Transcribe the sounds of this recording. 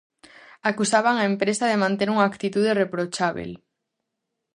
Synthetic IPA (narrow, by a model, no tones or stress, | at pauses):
akusaβ̞aŋaempɾesaðemãnt̪eɾuŋaːkt̪it̪uð̞erepɾot͡ʃaβḛl